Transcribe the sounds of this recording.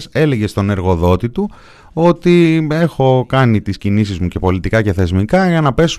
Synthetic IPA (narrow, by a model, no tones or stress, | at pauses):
se̞le̞ʝe̞st̪o̞ne̞ɾɣo̞ðo̞t̪it̪u | o̞t̪ie̞xo̞kɐnit̪iscinisizmuce̞po̞lit̪ikɐce̞θe̞zmikɐʝɐnɐpe̞su